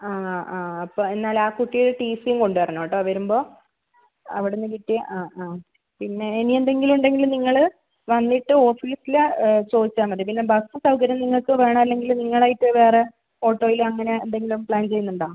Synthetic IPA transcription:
aːaːɐpːoːe̞nːaːlaːkuʈːijoɭʈiːsijumko̞ɳɖɨʋɐrɐɳoːʈːoːʋɐɾumbo̞ː | ɐʋiɽenːɨkiʈːijaʔaːaː | pinːe̞ːniend̪e̞ŋɡiluɳɖe̞ŋɡilumniŋːɐɭ | ʋɐnːiʈːɨo̞ːfiːsilt͡ɕo̞ːd̪it͡ɕːaːmɐʈːipinːe̞bɐsɨsɐwkɐɾjɐmniŋːɐɭkɨʋe̞ːɳɐmɐlːe̞ŋɡiluniŋːɐɭaːjiʈːɨʋe̞ːre | o̞ːʈːo̞ːjilɐŋːɐne̞ḛnd̪e̞ŋɡilumpɭaːnt͡ɕe̞junːuɳɖaːum

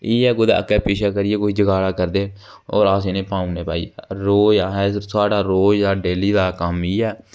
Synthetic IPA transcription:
iːɛːkʊd̪a̰ə̰kːɛːpiːʃaːkəɾɪeːkoːiːd͡ʒəɡaːlaːkəɾd̪eː | o̰ːɾaːsenẽːpaːũneːpa̰ːḭːɾoːd͡ʒaːɦɛːsaːɖaːɾoːd͡ʒd̪aːɖeːliːd̪aːkəmiːɛː

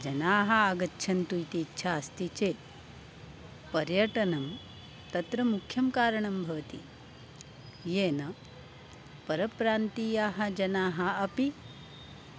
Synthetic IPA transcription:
d͡ʒɐnaːɦɐaːɡɐtːʃʰɐnt̪ujt̪iːtːʃʰaːst̪it͡ʃeː | pɐɾjɐʈɐnɐm | t̪ɐt̪ɾɐmukʰjɐmkaːɾɐɳɐmbʱɐʋɐt̪ḭ | jeːnɐ | pɐɾɐpɾaːnt̪ijaːɦɐ̆d͡ʒɐnaːɦɐɐpi

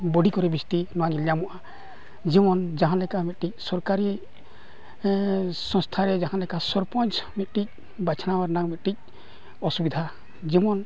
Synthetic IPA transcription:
bɔɽʱikɔɾɛbist̪inɔwaɲiljamɔʔa | d͡ʒimɔnd͡ʒaɦãnlɛkamit̪̚ʈic̚sɔɾkaɾi | sɔ̃ŋst̪ʰaɾɛd͡ʒaɦãlɛkasɔɾpɔnt͡ʃmit̪̚ʈic̚ | bat͡ʃʰanawaɾnaŋmit̪̚ʈic̚ | ɔsubid̪ʱa | d͡ʒimɔn

